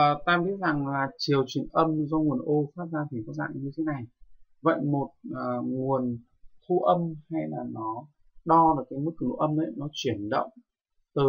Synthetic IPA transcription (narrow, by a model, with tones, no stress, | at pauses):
t̪aː˧ɓi˦˥ət̚za˨˩ŋlaː˨˩t͡ɕi˨˩əwt͡ɕwi˨˩ənʔə˧m˧zɔ˧ŋu˨˩ənʔo˧faː˦˥t̚zaː˧t̪ʰi˨˩kɔ˨˦za̰ː˧˨ŋ˧ɲɨ˧t̪ʰe˨˦na˨˩jvə̰˧˨jmo˨˩t̚ʔəː˨˩ŋu˨˩ən | t̪ʰu˧ʔə˧mha˧jlaː˨˩nɔ˨˦ | ɗɔ˧ɗɨ˨˩kaː˨˦jmɨ˦˥k̚ʔə˧mʔə̰˧˦nɔ˨˦t͡ɕwi˧˩ənɗə̰˧˨wŋ͡m | t̪ɨ˨˩